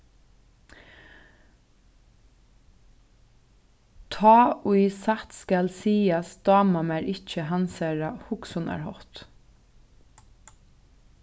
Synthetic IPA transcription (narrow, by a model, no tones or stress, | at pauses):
t̪ʰɑːʊɪsat̪skalsiːasd̪̥ɑːmamæɹɪt͡ʃəɦɑnsæɹahʊksʊna̰ɹhɔt̪